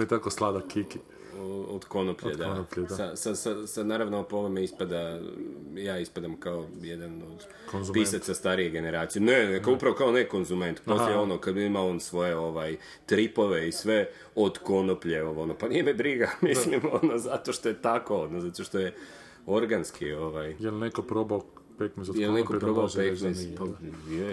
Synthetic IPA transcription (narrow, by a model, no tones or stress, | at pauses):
met̪akoslˠad̪akiki | od̪ko̞nopʎed̪apʎsasasasanaːɾaʋnoopomemeispad̪a | jaːispad̪amkaojed̪anod̪ | konzpisatsast̪aɾije̞ɡe̞ne̞ɾaːt̪sijeneekaupɾaʋo̞kao̞neko̞nzume̞nt̪posleeo̞nokad̪iimao̞nsʋo̞je̞o̞ʋaj | t̪ɾipo̞ʋe̞isʋe̞ | o̞d̪ko̞nopʎeoʋonopanijemebɾiɡamislimonozat̪o̞ʃt̪o̞jet̪ako̞od̪nozat̪oʃt̪o̞je̞ | o̞ɾɡanskio̞ʋajjelnekopɾobao | pet̪nɛsjjelnekopɾobaopet̪nesa